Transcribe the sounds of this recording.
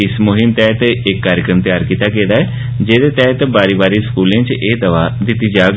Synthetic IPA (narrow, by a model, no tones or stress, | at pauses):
ɪsmʊɦɪmt̪ɛːt̪ɪkːaːɾɪjəkɾəmt̪ɪjaːɾkiːt̪aːkẽːd̪aːɛː | d͡ʒeːd̪eːt̪ɛːt̪baːɾiːbaːɾiːskuːlẽt͡ʃʔeːd̪əʋaːd̪ɪt̪ːiːd͡ʒaːɡ